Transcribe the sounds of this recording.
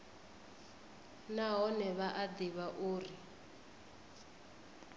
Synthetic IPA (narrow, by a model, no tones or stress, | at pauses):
naɦɔnɛβaʔad̪iβaʔuːri